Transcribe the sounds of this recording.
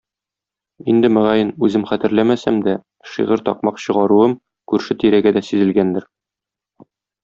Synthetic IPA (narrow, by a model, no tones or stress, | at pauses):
ind̪ɘmɘ̆ʁæjɘnʉzɘmχæt̪ɘ̆ɾlæmæsæmd̪æ | ʃḭʁɤɾt̪ɒ̰q̚mɑqɕɤ̆ʁɑɾuɤm | kʉɾʃɘt̪iɾæɡæd̪æsizɘ̆lɡænd̪ɘɾ